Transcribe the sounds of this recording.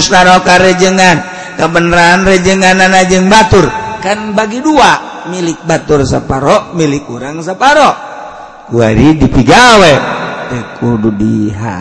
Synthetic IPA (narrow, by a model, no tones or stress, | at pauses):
snaɾɔkaɾɛd͡ʒəŋan | kabənɾaːnrɛd͡ʒəŋananad͡ʒəŋbat̪urkanbaɡidua | milɪk̚bat̪ursapaɾɔʔmilikuɾaŋs̬apaɾɔ | kua̰ɾidipiɡawɛdɛkududiɦa̰